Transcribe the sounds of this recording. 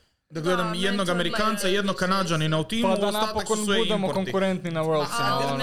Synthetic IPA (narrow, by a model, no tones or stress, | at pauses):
d̪aɡled̪amjɛd̪noɡamɛɾikant̪sajɛd̪nokːanad͡ʒaninaut̪iːmad̪anapokobud̪ɛmokoŋkuɾɛnt̪ninawɛɾld̪fina